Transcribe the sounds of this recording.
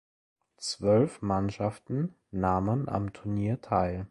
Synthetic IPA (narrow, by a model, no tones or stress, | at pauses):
t͡sv̥œlfmanʃaftn̩ | naːmənʔa̰mtʰʊɐniːɐtʰaɪl